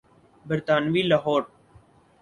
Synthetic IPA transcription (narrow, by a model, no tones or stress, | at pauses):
bəɾt̪aːnʋiːlaɦoːɾ